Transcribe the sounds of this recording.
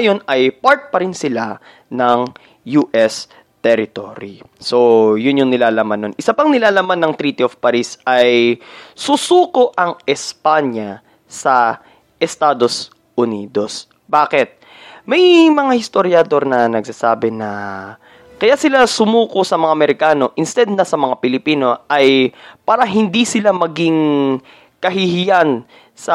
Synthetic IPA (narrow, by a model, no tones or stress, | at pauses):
jo̞nɐjpaɹt̪̚pɐɾɪnsɪla | nɐŋ | juːʔɛs | t̪ɛɾɪt̪o̰ːɾiso̞jʊnjʊŋnɪlaːlɐmanːonʔɪsɐpɐŋnɪlaːlɐmanːɐŋt̪ɾiːt̪ɪofpɐɾisɐjsusuːko̞ʔɐŋɛspaɲɐ | sɐ | ʔɛst̪aːd̪o̞s | ʔʊnḭːd̪o̞s | baːkɪt̪̚ | mɐjmɐŋahɪst̪oɾjɐd̪o̞ɾnɐnɐɡsasaːbɛnɐ | kɐjasɪlasʊmuːkosɐmɐŋaʔɐmɛɾɪkaːno̞ʔɪnst̪ɛd̪nɐsɐmɐŋapɪlɪpiːno̞ʔɐjpaːɾɐɦɪnd̪isɪlamɐɡiŋ | kɐɦɪhɪjan | sɐ